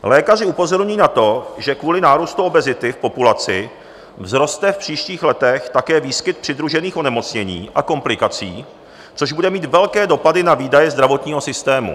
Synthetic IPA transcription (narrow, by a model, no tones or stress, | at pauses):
lɛːkar̝ɪupo̞zo̞ɾɲujiːnat̪o̞ʒɛkvuːlɪnaːɾust̪uo̞bɛzɪt̪ɪfpo̞pulat͡sɪ | vzɾo̞st̪ɛfpr̝̥iːʃciːxlɛt̪ɛxt̪akɛːviːskɪt̪̚pr̥ɪd̪ɾuʒɛniːxo̞nɛmo̞t͡sɲɛɲḭːʔako̞mplɪkat͡siː | t͡so̞ʒbudɛmiːt̪vɛlkɛːdo̞padɪnaviːdajɛzd̪ɾavo̞t̪ɲiːɦo̞sɪst̪ɛːmṵ